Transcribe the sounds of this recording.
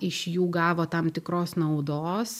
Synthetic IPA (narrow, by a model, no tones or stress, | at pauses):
ɪʃjuːɡɑːʋoːt̪ɐmt̪ʲɪkɾoːsnɐʊd̪oːs